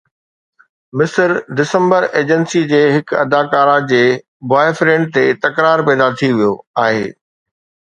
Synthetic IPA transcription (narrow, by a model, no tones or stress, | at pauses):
mɪsəɾɖɪsə̃mbəɾeːd͡ʑənsid͡ʑeːɦɪkɐ̰d̪aːkaːɾãd͡ʑeː | baːefɾẽːɳɖ̚t̪et̪ɐkɾaːɾpɛːd̪at̪ʰiʋijoaːɦḛː